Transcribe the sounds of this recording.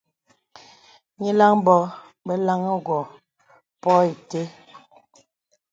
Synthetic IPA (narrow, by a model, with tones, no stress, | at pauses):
ɲi˦la˦ŋbɔ˦ | bɛ˦la˦ŋə˦ɡwɔ˨ | pɔ˦i˨te˦